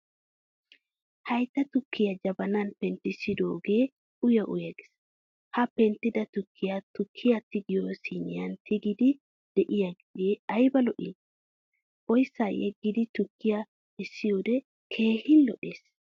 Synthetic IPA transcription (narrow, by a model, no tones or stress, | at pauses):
hɐjt̪ːɐt̪ʊkːɪjɐd͡ʒɐbɐnɐnpɛnt̪ːɪsɪd̪o̰ːɡe̞ː | ʊjɐʔʊjɐɡɪ̥s | hɐpɛnt̪ːɪd̪ɐt̪ʊkʰːɪjat̪ʊkʰːɪjat̪ːɪɡɪjoːsiːnɪjɐnt̪ɪɡɪd̪ɪ | d̪̥ɛʔɪjaɡɡeːɐjbɐlɔʔɪ̰n | ʔɔjsːaːjɛɡːɪd̪ɪt̪ʊkːɪja | ɪsːɪjoːd̪ɛ | kʰe̞ːhɪnlɔʔeːs